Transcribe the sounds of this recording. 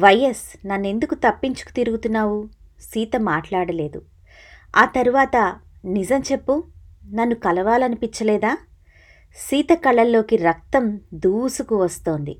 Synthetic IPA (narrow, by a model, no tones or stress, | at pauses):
ʋɐjːesnɐnːe̞nd̪ukut̪ɐpːiɲt͡ʃu̥ku̥t̪iɾuɡut̪unːaːwusiːt̪ɐmaːʈlaːɽɐle̞ːd̪u | aːt̪ɐɾuʋaːt̪ɐnizɐmt͡ʃe̞pːunɐnːukɐlɐʋaːlɐnipiɲt͡ʃɐlɛːd̪aː | siːt̪ɐkɐɭːɐlːo̞ːkiɾɐk̚t̪ɐmd̪uːsukuʋɐst̪o̞ːnd̪ḭ